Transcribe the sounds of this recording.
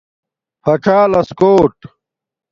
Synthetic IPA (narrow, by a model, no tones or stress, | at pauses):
fɐʈ͡ʂʰaːlɐskoːʈ